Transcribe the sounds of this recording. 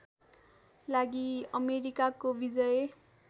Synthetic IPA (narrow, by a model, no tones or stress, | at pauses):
laɡiʌmeɾikakobid͡zʌj